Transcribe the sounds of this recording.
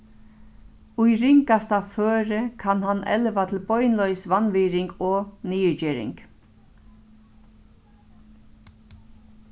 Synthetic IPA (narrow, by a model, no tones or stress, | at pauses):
ʊjɾɪŋkast̪aføːɾəkʰanhanʔɛ̰lʋat̪ʰɪlbɔʏnlœʏsʋanʋiːɾɪŋkɔːniːəɹd͡ʒɪːɾɪ̰ŋk